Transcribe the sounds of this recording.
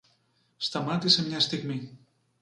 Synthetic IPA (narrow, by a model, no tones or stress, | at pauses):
st̪amat̪isemɲast̪ikmi